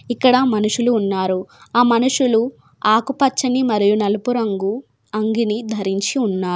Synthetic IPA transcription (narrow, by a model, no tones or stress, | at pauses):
ikːɐɽɐmɐnuʂuluːnːaːɾuaːmɐnuʂulu | aːkupɐt͡ʃːɐnimɐɾijunɐlupuɾɐŋɡu | ɐŋɡinid̪ʱɐɾiɲt͡ʃiunːaː